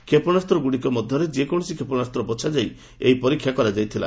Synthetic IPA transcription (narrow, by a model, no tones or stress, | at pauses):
kʰepɔɽ̃ast̪ɾɔɡuɽikɔmɔd̪ʱjɔɾed͡ʒekɔɽ̃ɔsikʰepɔɽ̃ast̪ɾɔbɔt͡ʃʰad͡ʒaj | eipɔɾikʰːjakɔɾad͡ʒajt̪ʰila̰